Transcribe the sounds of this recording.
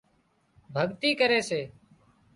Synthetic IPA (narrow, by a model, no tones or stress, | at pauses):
bʱəɠt̪iːkəɾeːseː